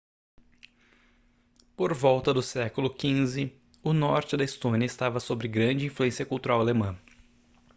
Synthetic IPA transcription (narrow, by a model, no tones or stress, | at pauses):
poɾvɔwt̪ɐd̪ʊsɛkʊlʊkĩzɪ | ʊnɔɾt͡ʃɪd̪ɐɪst̪õniɐɪst̪avɐsobɾɪɡɾɐ̃d͡ʒɪĩfluẽsiɐkuwt̪uɾawalemɐ̃